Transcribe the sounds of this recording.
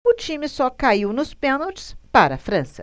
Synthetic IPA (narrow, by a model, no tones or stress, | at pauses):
ʊt͡ʃ̪imɪsɔkaiwnʊspenɐlt̪spaɾɐ̰fɾɐ̃sɐ̥